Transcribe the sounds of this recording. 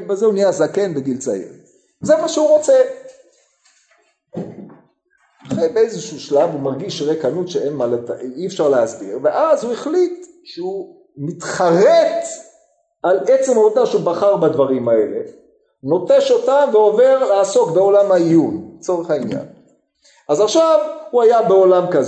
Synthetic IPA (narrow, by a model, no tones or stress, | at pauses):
bezeunijazake̞nbeɡilt͡sa̰ḛʁ | zemaʃeuʁo̞t͡se | aχejbeejzeʃuʃlavumaʁɡiʃʁekanutʃeenmaletaiefʃaʁleazbḭʁve̞ʔazueχlit̪ | ʃeu | mit̪χaʁet | ʔalʔet͡semot̪aʃeubaχaʁbadvaʁimae̞le | no̞teʃo̞tamveove̞ʁleaso̞kbe̞o̞lamhaijunt͡so̞ʁeχainja̰n | azaχʃavhuajabe̞olamkaz